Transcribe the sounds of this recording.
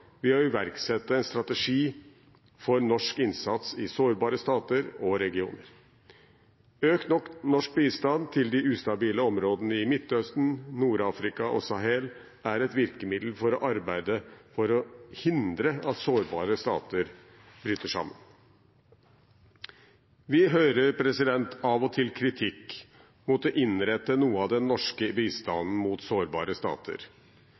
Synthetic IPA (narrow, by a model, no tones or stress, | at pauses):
ʋɪɑɪʋæɾksɛt̪ːəɛnst̪ɾɑt̪əʂiː | fɔɾnɔʂkɪnsɑt̪sɪsoːɾbɑːɾəst̪ɑːt̪əɾɔɾɛɡɪṵːnəɾ | øːkt̪nɔknɔʂk̚pist̪ɑnt̪ʰɪld̪ɪʉːst̪ɑbiːləɔmɾoːd̪ənəɪmɪt̪ːœst̪n̩nuːɾɑːfɾɪkɑʔɔ̰sɑɦɛl | æɾɛt̪ʋɪɾkəmɪd̪l̩fɔɾɔʔɑɾbæɪd̪əfɔɾɔhɪnd̪ɾəɑt̪soːɾbɑ̰ːɾəst̪ɑ̰ːt̪əɾ | b̥ɾyːt̪əʂɑ̰mːən | ʋɪɦøːɾəɾpʰɾɛsɪd̪ɛnt̪ʰɑʋɔt̪ʰɪlkʰɾɪt̪ʰɪkː | mut̪ɔʔɪnɾɛt̪ːənuːəɑʋd̪ɛnːɔʂkəbiːst̪ɑnn̩mut̪soːɾbɑ̰ːɾəst̪ɑ̰ːt̪ʰə̰ɾ